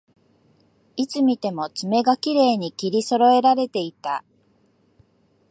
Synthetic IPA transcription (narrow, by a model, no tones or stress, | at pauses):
it͡sɨmʲit̪e̞mo̞t͡sɨme̞ɡakʲiɾe̞ːɲ̟ikʲiɾʲiso̞ɾo̞e̞ɾaɾe̞t̪e̞it̪a